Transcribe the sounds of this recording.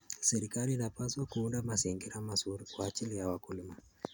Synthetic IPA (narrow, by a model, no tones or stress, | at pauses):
sɛɾikaliːnapaswakuundamasiŋɡiɾamasuɾkwaːt͡ʃilijawakuluma